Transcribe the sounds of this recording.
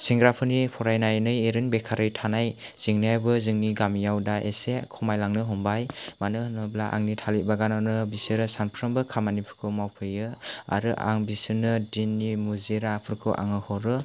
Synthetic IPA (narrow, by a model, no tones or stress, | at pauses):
siŋɡɾapʰɯnipʰɔɾajnajnɯjeɾɯnbekʰaɾɯjtʰanaj | z̥iŋnajbɯzɯŋniɡamijawdaʔesekʰɔmajlaŋnɯɦɔmbajmanɯhɯnablaʔa̰ŋnitʰalit̚baɡanɔnɯbisɯɾɯsanpʰɾɯmbɯkʰamanipʰɯ̥kʰɯmawpʰɯjɯa̰ɾɯʔa̰ŋbisɯnɯdinːimuziɾapʰɯɾkʰɯ̰ʔa̰ŋɯhɔɾɯ